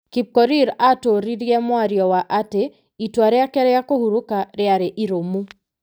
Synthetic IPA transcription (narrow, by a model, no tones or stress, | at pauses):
kip̚kɔɾiɾatoɾiɾjɛmwaɾjɔwaʔate | itwaɾɛakɛɾɛjakohuɾukaɾɪaɾeʔiɾomu